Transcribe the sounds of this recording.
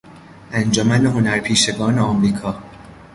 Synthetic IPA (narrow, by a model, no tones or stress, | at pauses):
ʔænd͡ʒomæneɦonæɾpʰiːʃeɡɒːneɒmɾiːkʰɒː